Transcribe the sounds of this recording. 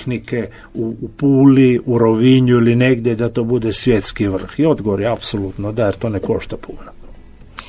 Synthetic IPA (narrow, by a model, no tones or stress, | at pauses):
nike | uːpuːliuɾoʋiɲuiline̞ɡd̪jed̪at̪o̞ːbud̪esʋjet̪skiʋr̩xio̞d̪ɡoʋoɾjeapsolut̪nod̪ajeɾt̪o̞ːneko̞̰ʃt̪apʰuːna